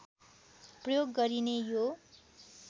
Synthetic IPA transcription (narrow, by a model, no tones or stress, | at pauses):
prʌjoɡːʌɾinejo